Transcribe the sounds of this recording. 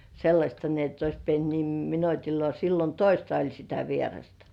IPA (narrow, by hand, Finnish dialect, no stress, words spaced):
selːɑsʲtɑ ni etː ois pient nim minotilːŏɑˑ silːon toistɑ olʲ sitæ ʋierɑstɑ